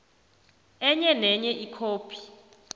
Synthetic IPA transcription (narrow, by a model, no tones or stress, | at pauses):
ɛɲɛnɛɲɛʔikʰoːpʰi̥